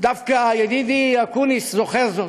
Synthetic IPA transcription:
d̪afkajed̪id̪iakuniszoχeɾzo

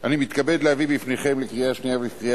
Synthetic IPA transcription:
ʔanimit̪kabe̞d̪lehavibifneχe̞mlekʁiaʃniavelkʁia

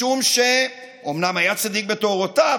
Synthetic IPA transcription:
umʃe | omnamajat͡sad̪ik̚bet̪oʁot̪a

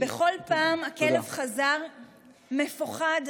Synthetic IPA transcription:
beχo̞lpaːmakelevχazaʁ | me̞fuχad

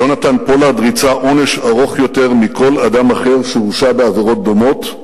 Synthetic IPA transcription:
jonat̪anpo̞lad̪ʁit͡saʔo̞ne̞ʃaʁo̞χjo̞te̞ʁmikʰo̞lad̪amaχe̞ʁʃeʁuʃabeaveʁo̞t̪̚d̪o̞mo̞t̪

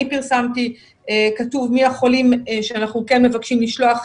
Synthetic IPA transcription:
ipiʁsamti | ekatuvmiaχo̞limʃeanaχnukenme̞vakʃimliʃloaχ

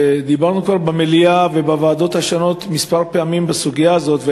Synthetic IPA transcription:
d̪ibaʁnukvaʁbemeliavebavaːd̪o̞t̪haʃono̞t̪mispaʁpeamimbesuɡijaːzo̞t̪ve

